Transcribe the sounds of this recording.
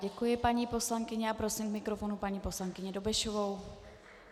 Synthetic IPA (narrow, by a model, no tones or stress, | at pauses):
ɟɛkujɪpaɲiːpo̞slaŋkɪɲɛapɾo̞simkmɪkɾo̞fo̞nupaɲiːpo̞slaŋkɪɲɛdo̞bɛʃovow